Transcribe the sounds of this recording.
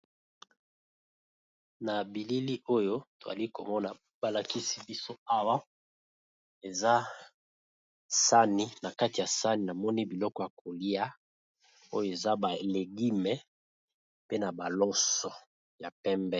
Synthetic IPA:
na˨bi˨li˦li˦ʔo˦jo˦to˨a̰˨li˦ko˨mɔ˦na˨ | b̥a˨la˨ki˦si˦bi˦so˦a˦wa˦ | e˨za˦ | sa˦ni˦na˨ka˦ti˨ja˨sa˦ni˨na˨mɔ˦ni˦bi˨lɔ˦kɔ˦ja˨kʰo˨li˦a˦ | o˦jo˦˨e˨za˦ba˨le˨ɡi˦mɛ˨ | pe˦na˨ba˨lɔ˦sɔ˨ | ja˨pɛ˦mbɛ˦

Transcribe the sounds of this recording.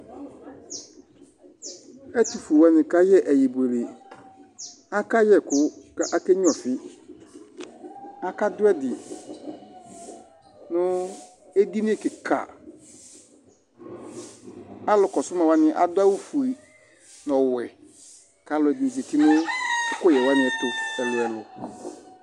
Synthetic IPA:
ɛ˦ti˨fu˨wa˦nɪ̃˨ka˦jɛ˦ʔɛ˨je˨bu˨e˨le˨ | a˦ka˦jɛ˨kʰʊ˦kʔa˦kɛ˦ɲ˦ɔ̃˨fɪ˦ | a˦ka˦dʊ˦ɛ˦dɪ˨ | nʊ̃˦ | e˦di˦nɪ̃˦ɛ˨kɪ˨kʰa̰˨ | a˦lʊ˨kɔ˨sʊ˦ma˨wa˦nɪ̃˦ʔa̰˨dʊ˦a˦wu˦fu˨e˨ | nɔ̃˨wɛ˨ | ka˨lʊ˨ɛ˨di˨d͡ʒe˨tʰɪ˦nʊ̃˦ʊ˦kʊ˦jɛ˨wa˦nɪ̃˨˦ɛ˦tʊ˦ɛ˨lʊ˨ɛ˨lʊ˨

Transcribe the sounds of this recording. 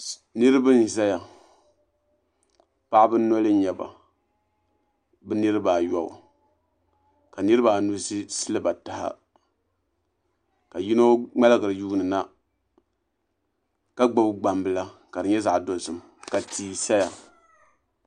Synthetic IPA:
nɨ˦ɾɨ˦bɨ˦n˨za˦ja˨ | pa˦ʔbɨ˦nɔ˦lɨ˦ɲɛ˨ba̰˨ | bɨ˦nɨ˦ɾɨ˦baː˨jɔ̰˦˨ | ka˨nɨ˦ɾɨ˦baː˨nu˦zi˦sɨ˦lɨ˦ba˨ta˨ha̰˦ | ka˨ji˦no˦ŋ͡ma˦lɨ˦ɡɨ˨ɾɨ˨juː˦nɨ˨na˦ | ka˦ɡ͡ba˨bɡ͡ba˨mbɨ˨la˦ka˨dɨ˨ɲɛ˦za˨ʔdo˨sɨ˨m | ka˨tʰiː˨sa˦ja˨

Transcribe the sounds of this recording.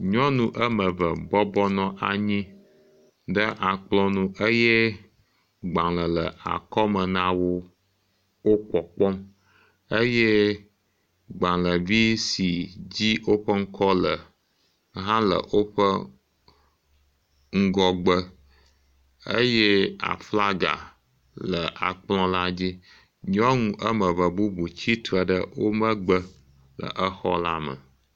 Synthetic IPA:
ɲɔ̃˦nũ˦ʔə˦mə̃˨və˨bɔ˦bɔ˦nɔ̃˦ʔa˨ɲĩ˦ | ɖə˦ʔa˨k͡plɔ˦nũ˨˦ʔə˦je˦ | ɡ͡ba˨lə˨lə˨a̰˨kɔ˦mə˨nã˦wo˦ | wo˦k͡pɔ˨k͡pɔ˦m | ə˦je˦ | ɡ͡bã˨lə˨vi˦si˨d͡ʑi˦wo˦ɸə˦ŋ̩˦kɔ˦lə˨ | ɦã˦lə̰˨wo˦ɸə˦ | ŋ̩˦ɡɔ˦ɡ͡bə˦ | ə̰˦je˦a̰˨fla˦ɡa̰˨ | lə˨ʔa̰˨k͡plɔ̃˦la˦d͡ʑi˦ | ɲɔ̃˦ŋũ˦ʔə˦mə˨və˨bu˦bu˨t͡ɕi˦t̪ə˨ɖə˦wo˦mə̃˦ɡ͡bə˦ | lə̰˨ʔə˦xɔ̰˦la˦mə̰˨

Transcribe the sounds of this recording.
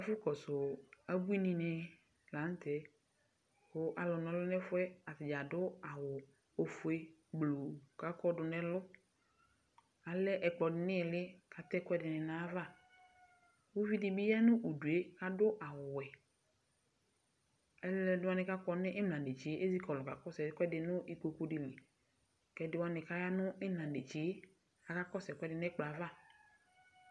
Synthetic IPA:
ɛ˨˦fʊ˦kɔ˨sʊ˨a˨bu˦i˦nĩ˨nɪ˨ | lã˨˦n˦tɛ˨ | xʊ˦ʔa˨lʊ˨nɛ̃˨lʊ˦nɛ˦fʊ˦ɛ˦a˨tɪ˨d͡ʒa˨dʊ˦a˨wʊ˨ | o˨fʊ˨e˦ɡ͡blo˨ka˦kɔ˦dʊ˨nɛ̃˦lʊ˦ | a˨lɛ˦ʔɛ˨k͡pɔ˨dɪ˨nɪ̃˦˨lɪ˦ka˨t̪ɛ˦kʊ˦ɛ˦dɪ˨nɪ̃˨nã˨˦va˦˨ | wo˦vi˦dɪ˨bɪ˦ja˦nʊ̃˦ʔu˨du˨e˦ka˦dʊ˦ʔa˨wʊ˨wɛ˨ | ɛ˦lɛ˨dɪ˦wa˦nɪ˨ka˦kɔ˦nɪ˦ʔɪ˦mlã˨nde˨t͡ʃi˨˦ʔe˦zi˦kɔ˨lɔ˨ka˨kɔ˦sɛ˨˦kʷɛ˦dɪ˨nʊ˦ʔi˨ko˨ko˨dɪ˨lɪ˨ | kɛ˨dɪ˨wa˦nɪ˨ka˦ja˦nʊ˦ɪ˦nã˨de˨t͡ʃɪ˨˦ | a˨ka˦kɔ˦sɛ˨kʷɛ˦dɪ˨nɛ˦k͡pla˨˦va˦˨

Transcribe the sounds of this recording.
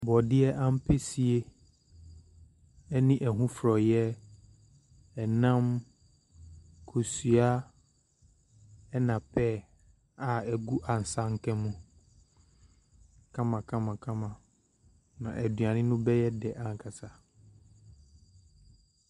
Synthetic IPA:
bɔ˨dɪ˦ɛ˦ʔã˦m̩˦pʰe˦si˨e˦ | ɛ˦nĩ˦ʔɛ˨ɦũ˦fɾɔ˨jɛ˦ | ɛ˨nã˦m | kʰo˨sɥa˦ | ɛ˦nã˨pʰɛ˦˨ | a˨ɛ˨ɡu˦ʔa˨n̩˨sa˦ŋ̩˦kʰɛ̃˦mũ˨ | kʰã˦mã˨kʰã˦mã˨kʰã˦mã˨ | nã̰˨ʔɛ˨dɥã˨nɪ̃˦nʊ̃˦bɛ˦jɛ˦dɛ˨ʔa˨ŋ˨kʰa˨sa˦

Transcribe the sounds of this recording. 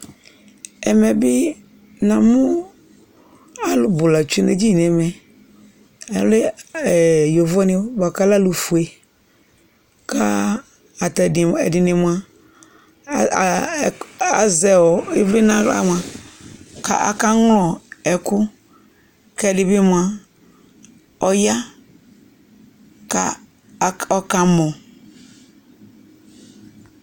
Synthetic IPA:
ɛ˨mɛ˨bɪ˦ | nã˨mʊ˦ | a˨lʊ˨bʊ˨la˨t͡ʃi˦ne˨d͡ʒi˦˨n˨ɛ˨mɛ˨˦ | le˦˨ | jɔ˨vɔ˦nɪ̃˦ba˨ka˦la˦lu˨fu˨e˨ | ka˦ | a˨tdɪ˨ɛ̰˨dɪ˨nɪ˨mʊ˨a˨ | a˨zɛ˨wɔ˨ɪ˦vli˦nã˦a̰˦m˨ã˨ | ka̰˨ʔa̰˨ka˦ŋlɔ˨ɛ˨kʊ˦ | kɛ˦˨dɪ˨bɪ˦mũ˨a˨ | ɔ˨ja˦ | ka̰˨ | ɔ˨ka˨mɔ̃˨

